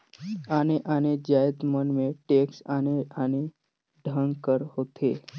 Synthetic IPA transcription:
aːneʔaːned͡ʒaəd̪mənmẽʈeːksaneane | ɖʱəŋɡkəɾhoːt̪ʰeː

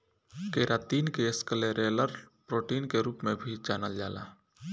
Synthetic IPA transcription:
keːɾat̪iːnkeskəleɾeːləɾpɾoːʈiːnkeɾuːpmẽbʱid͡ʒaːnəld͡ʒaːla̰

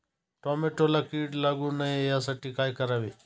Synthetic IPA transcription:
ʈoːmeːʈoːlaːkiːɖlaɡũːnəẽjaːsəʈikaːikəɾaːʋeː

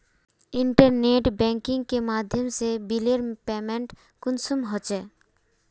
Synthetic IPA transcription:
ɪ̃ɳʈəɾneːʈbɛ̃ːŋkɪ̃ŋɡ̚kemaːd̪ʱjəmsebileɾpeːmẽɳʈ | kʊnsʊmɦot͡ʃɛː

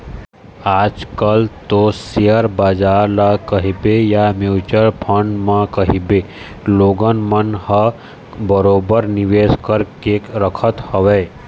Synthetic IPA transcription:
aːd͡ʒkəlt̪osijəɾbaːd͡ʒaːɾlakɐɦibejamjuːt͡ʃəɾpʰə̃ɳɖmãkəɦibeː | loːɡənmənhɐ | bəɾoːbəɾnɪʋeːskəɾkeːkɾəkʰət̪həʋeː

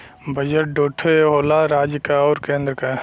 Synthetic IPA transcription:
bɐd͡ʒəʈ̚ɖoːʈʰoeɦoːlaɾaːd͡ʒkaɔːɾkẽːnd̪ɾəkaː

